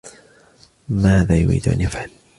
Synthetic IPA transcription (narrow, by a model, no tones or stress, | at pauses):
maːðaːjʊ̰ɾḭːd̪ʔa̰njafhɪm